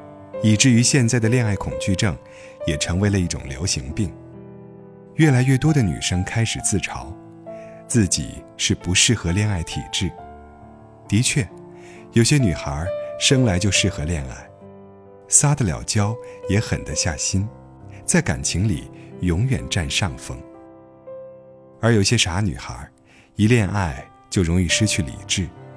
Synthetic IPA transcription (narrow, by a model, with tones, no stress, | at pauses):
i˨˩ʈ͡ʂɻ̩˥˩y˧˥ɕjɛ˥˧nt͡sa˥˩ɪd̪ə˩ljɛ˥˧na˥˩ɪkʰʊ˨˩ŋt͡ɕy˥˧ʈ͡ʂɤ˥˩ŋ | jɛ˨˩ʈ͡ʂʰɤ˧˥ŋwe˧˥ɪlə˧i˥˩ʈ͡ʂʊ̰˨˩ŋljo̰˧˥ʊɕi˧˥ŋpi˥˩ŋ | ɥɛ˥˩la˧˥ɪɥɛ˥˩t̪wɔ˥d̪ə˨ny̰˨˩ʂɤ˥ŋkʰa˥ɪʂɻ̩˨˩t͡sɹ̩˥˩ʈ͡ʂʰɑ˧˥ʊ | t͡sɹ̩˥˩t͡ɕḭ˨˩ | ʂɻ̩˥˩pu˧˥ʂɻ̩˥˩xɤ˧˥ljɛ˥˧na˥˩ɪt̪ʰḭ˨˩ʈ͡ʂɻ̩˥˩ | t̪i˧˥t͡ɕʰɥɛ˥˩ | jo˧˥ʊɕjɛ˥ny˨˩xə̰˞˧˥ʂɤ˥ŋla˧˥ɪt͡ɕjo˥˧ʊʂɻ̩˥˩xɤ˧˥ljɛ˥˧na̰˥˩ɪ | sa˥d̪ə˨ljɑ̰˨˩ʊt͡ɕjɑ˥ʊjɛ˧˥xə̰˨˩nd̪ə˦ɕja̰˥˩ɕi˥n | t͡sa˥˩ɪka̰˨˩nt͡ɕʰi˧˥ŋlḭ˨˩jʊ˧˥ŋɥɛ̰˨˩nʈ͡ʂa˥˧nʂɑ˥˩ŋfɤ˥ŋ | ə˞˧˥jo˨˩ʊɕjɛ˥ʂa˧˥ny̰˨˩xə̰˧˥ | i˧˥ljɛ˥˧nʔa˥˧˩ɪ | t͡ɕjo˥˩ʊɻʊ˧˥ŋi˥˩ʂɻ̩˥t͡ɕʰy˥˩lḭ˨˩ʈ͡ʂɻ̩˥˩